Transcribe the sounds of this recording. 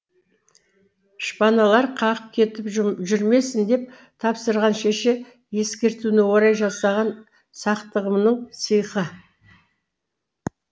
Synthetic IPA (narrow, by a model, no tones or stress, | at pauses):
ʃpɑnɑlˠɑɾqʰɑʁəp̚kʲʰe̞t̪ɪpʒʏɾme̞sɪnd̪e̞p̚ | t̪ʰɑpsəɾʁɑnʃeʃe | je̞skʲe̞ɾt̪unɪwo̞ɾɑjʒɑsɑʁɑn | sɑqt̪əʁəmnəɴsəjqə